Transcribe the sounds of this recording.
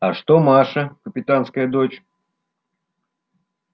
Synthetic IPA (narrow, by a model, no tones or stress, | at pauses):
aʂt̪omaʂɐkəpʲɪt̪anskəjəd̪ot͡ɕ